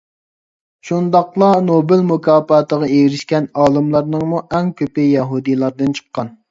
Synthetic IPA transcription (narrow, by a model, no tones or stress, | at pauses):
ʃund̪ɑqlˠɑnobɪlmukʰɑːpɑːt̪əʁɑejɾɪʃkʲɛnɑːlˠɨmlˠɑɾnɨŋmuʔɛŋkʲʰøpɪjɛɦud̪ijlˠɑɾd̪ɨnt͡ʃʰə̥qːɑn